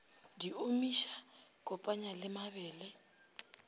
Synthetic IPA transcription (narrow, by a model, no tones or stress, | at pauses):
diomiʃakʼɔpʼaɲalɪmaβɛːlɛ